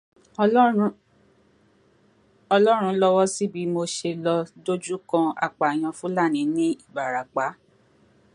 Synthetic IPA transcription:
ɔ˧lɔ˦ɾ̃ũ˧˦lɔ˧wɔ˦si˦bi˨˦mo˧ʃe˧lɔ˧do˦d͡ʒu˦kã˧a̰˧k͡pa˨j̃ã˧fũ˦la˦˨nĩ˨˦nĩ˦i˦˨ba˨ɾa˨k͡pa˨˦

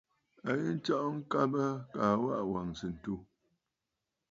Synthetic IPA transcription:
a˨ji˦n̩˦t͡ʃɔ˦ʔŋ̩˦ka˦bə˦ka˨wa̰˦ʔwa˨ŋ˨si˨n̩˨tu˦

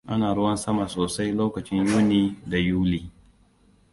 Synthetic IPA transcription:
ʔa˦naː˨ɽʊ˦wɐ˦nsɐ˦ma˨soː˨sa˦jloː˦kɐ˨t͡ʃɪ˦ɲjoː˦niː˦da˨juː˦liː˦

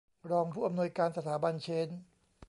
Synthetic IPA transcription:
ɾɔː˧ŋpʰuː˥˩ʔa˧mnuː˧əjkaː˧nsa˧t̪ʰaː˩˦ba˧nt͡ɕʰe˦˥n

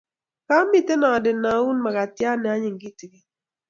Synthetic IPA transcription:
ka˦mi˦te˦na˨dɪ˨na˨˦u˦nma˨ka˨tja˦nɛ˨a˨˦ɲɪ˨ŋ˨ɡi˦ti˨ɡi˦

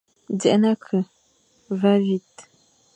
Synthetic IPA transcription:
d͡zɛ˨ʔna˦kʰə˨ | va˦vi˦˨t̚

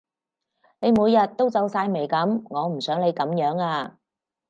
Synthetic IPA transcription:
ne˨˧jmuː˨˧jːɐ˨t̚t̪o˥wt͡sɐ˨˥wsaː˧jme˨˩jkɐ˨˥mŋɔː˨˧m̩˨˩sœː˨˥ŋle˨˧jkɐ˨˥mjœː˨˥ŋaː˧

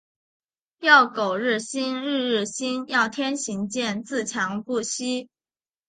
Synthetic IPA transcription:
jɑ˥˩ʊko˨˩ʊɻɻ̩˥˩ɕi˥nɻɻ̩˥˧ɻ̩˥˩ɕi˥njɑ˥˩ʊt̪ʰjɛ˥nɕi˧˥ŋt͡ɕjɛ˥˧nt͡sɹ̩˥˩t͡ɕʰjɑ˧˥ŋpu˥˩ɕi˥

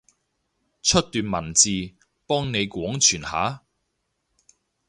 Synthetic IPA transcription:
t͡ʃʰɵ˥t̚t̪yː˨nmɐ˨˩nt͡siː˧ | pɔː˥ŋne˨˧jkwɔː˨˥ŋt͡ʃʰyː˨˩nha̰ː˨˥

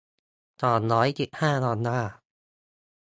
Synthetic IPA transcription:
t̪ɔː˨˩nɾɔː˦˥jt͡ɕi˨˩t̚haː˥˩nɔː˧nːaː˥˩

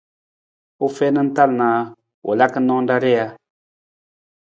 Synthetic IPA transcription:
u˦fɛ˦nɨ˦n̩˦ta˦˨lnaː˨ | wʔo̰˨la˦kə˦nɔ˦da˦ɾɛ˦a˦

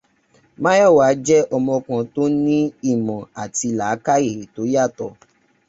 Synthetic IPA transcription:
mã˦jɔ˦˨wa˨˦d͡ʒɛ˦ʔɔ˧mɔ̃˧kã˧to˦nĩ˦i˦˨mɔ̃˨a˨ti˧laː˨˦ka˦e˦˨he˨to˨˦ja˦˨tɔ˧˨

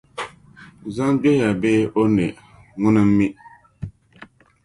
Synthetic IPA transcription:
za˦ŋɡ͡bɛ˦ha˨beː˦ʔo˦nɛ˨ | ŋʊ˦nɨ˦m̩˦mi˦

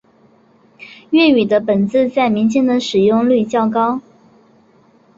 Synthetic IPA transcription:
ɥɛ˥˩y˨˩d̪ə˦pə˨˩nt͡sɹ̩˥˧t͡sa˥˩ɪmi˧˥nt͡ɕʰi˥ŋd̪ə˨ʂɻ̩˨˩jʊ˥˧ŋly˥˧t͡ɕjɑ˥˩ʊkɑ˥ʊ

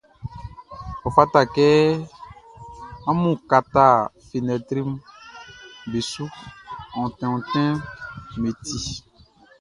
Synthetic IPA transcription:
ɔ˨fa˦ta˦˨kɛ˦ | ã˦mũ˦˨ka˨t̪a˦˨fi˨nɛ̃˨t̪ɾi˦m˦ | be˨su˦ɔ̃˨tɛ̃˨ɔ̃˨tɛ̃˦me˨ti˦

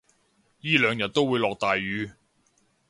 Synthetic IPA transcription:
jiː˥lœː˨˧ŋjɐ˨t̚t̪o˥wuː˨˧jlɔː˨k̚t̪aː˨jːyː˨˧

